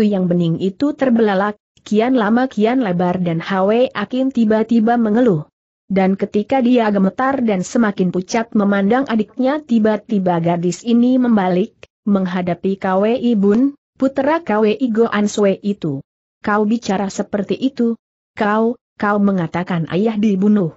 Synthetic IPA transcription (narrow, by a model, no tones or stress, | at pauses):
t̪ujaŋbənɪŋit̪ut̪ərbəlalah | kianlamakianlebardanhaweʔakɪnt̪ibat̪ibaməŋəlu | dankət̪ikadiaɡəmət̪ardansəmakɪnput͡ʃat̪̚məmandaŋʔadɪk̚ɲat̪ibat̪ibaɡadɪsiniməmbalɪk̚ | məŋɦadapikaweʔibʊn | put̪ɾakaweʔiɡoʔansweʔit̪u | kaubit͡ʃaɾasəpərt̪iʔit̪u | kaw | kauməŋat̪akanʔa̰jahdiibunuh